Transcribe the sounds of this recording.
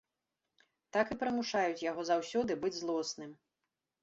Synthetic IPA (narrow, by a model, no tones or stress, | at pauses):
t̪akɨpɾɨmuʂajut͡sʲjaɣɔzawsʲɔd̪ɨbɨd͡zʲzlˠɔsnɨm